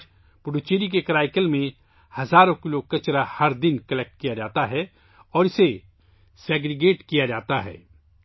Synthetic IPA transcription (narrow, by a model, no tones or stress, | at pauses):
pʊɖut͡ʃeːɾik̬ekɾaːɪkəlmẽ | hɐzaːɾõkɪlokɐt͡ʃɾahɐɾd̪ɪnkɐlek̚ʈ̚kijad͡ʒaːt̪aɦɛː | ɔːɾɪse | sɛːɡɾɪɡeːʈkijad͡ʒaːt̪aɦɛ̰ː